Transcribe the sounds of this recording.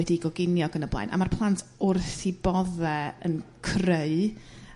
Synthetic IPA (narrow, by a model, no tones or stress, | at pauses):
ɛdiɡɔɡɪnjɔɡənəblˠa̰jnʔa̰marpʰlˠantʰʊrθibɔðɛə̰nkʰreɨ